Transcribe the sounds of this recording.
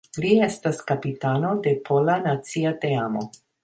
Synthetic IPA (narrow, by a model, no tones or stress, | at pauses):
liestaskapitano̞de̞pʰo̞lanat͡siateamo̞̰